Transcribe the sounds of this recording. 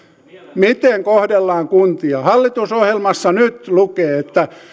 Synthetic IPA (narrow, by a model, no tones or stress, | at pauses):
mit̪eŋkohdelːɑːŋkunt̪iɑhɑlːit̪usohjelmɑsːɑnyt̪lukeːet̪ːæ